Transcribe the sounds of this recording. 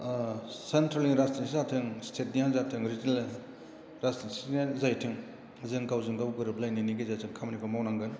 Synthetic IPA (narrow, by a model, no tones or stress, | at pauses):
sentɾeliŋɾastinsizatʰɯŋstʰet̚nijanzatʰɯŋɾizinel | ɾastinsinezajtʰɯŋ | zɯŋkawzɯŋɡawɡɯɾɯblajniniɡezatʰɯŋkʰamnipʰɯmawnaŋɡɯn